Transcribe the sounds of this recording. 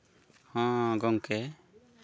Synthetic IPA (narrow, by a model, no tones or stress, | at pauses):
hãɡɔŋkɛ